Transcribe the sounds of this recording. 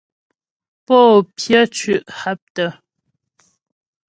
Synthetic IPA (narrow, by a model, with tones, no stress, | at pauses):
pɔː˦˨pjə˦t͡ʃʉ˨ʔha˦p̚tə˦˨